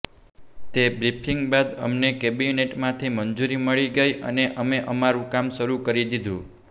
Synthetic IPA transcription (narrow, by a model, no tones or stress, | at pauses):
t̪ebɾipʰiŋɡbad̪ə̰mnekebineʈmãt̪ʰimənd͡ʒuɾiməɭiɡəjʔə̰neʔəmeʔəmaɾũkamʃəɾukəɾid̪id̪ʱũ